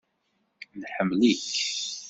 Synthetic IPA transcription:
nħəmːlik

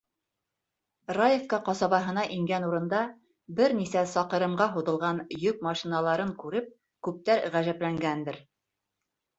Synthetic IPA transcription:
rajefkɑqɒsɑβɑɦɤ̆nɑʔiŋɡænuɾɤ̆nd̪ɑ | bɘɾnisæsɑqɤ̆ɾɤ̆mɢɑɦuðɤ̆lˠʁɑnjɵk̚mɑʃinɑlˠɑɾɤŋkʉɾɘp̚ | kʉp̚t̪æɾʁæʒæplæŋɡænd̪ɘɾ

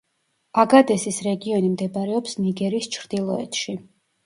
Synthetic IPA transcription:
aɡad̪ɛsisɾɛɡiɔnimd̪ɛbaɾɛɔpsniɡɛɾist͡ʃʰɾd̪̥ilˠɔɛ̰t̪ʃi

